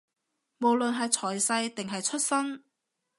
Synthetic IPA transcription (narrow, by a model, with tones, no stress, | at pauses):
mo˨wlɵ˨nɦɐ˨jt͡sʰɔː˨˩jsɐ˧jt̪ɪ˨ŋɦɐ˨jt͡ʃʰɵ˥t̚sɐ˥n